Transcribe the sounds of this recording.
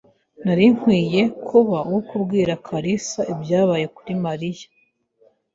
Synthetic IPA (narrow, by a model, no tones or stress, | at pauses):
naɾiŋ̥hwiːje̞kʰuβauwukubɡiːɾakʰaɾisaʔibjaːβaːje̞kuɾimaɾijḁ